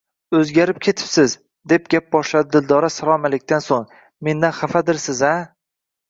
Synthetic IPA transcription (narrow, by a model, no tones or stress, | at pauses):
ɵzɡʲaɾɪpkʲʰe̞t̪ʰɪ̥psɪz | d̪e̞p̚ɡʲap̚bɒʃlad̪ɪd̪ɪld̪ɒɾasalˠɒmalek̚ʲt̪ansoŋ | me̞nd̪anχafad̪ɪɾsɪza